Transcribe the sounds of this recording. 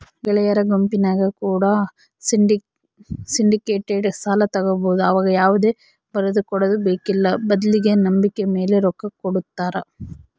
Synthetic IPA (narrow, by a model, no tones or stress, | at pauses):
ɡɛɭɐjɐɾɐɡompinaːɡɐkuːɽɐ | iɖi | siɳɖikeːʈːeːʈsaːlɐt̪ɐɡɐboːd̪uɐʋaːɡɐjaːʋud̪e̞ː | bɐɾɐd̪ukɔɽɐd̪ubeːkilːɐbɐd̪ɐliɡenɐmbikːeme̞ːleɾɔkːɐkːoɽut̪ːaːɾɐ